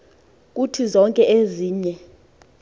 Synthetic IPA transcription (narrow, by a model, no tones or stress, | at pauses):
k̬ʼutʰizɔŋkʼɛʔeziːɲɛ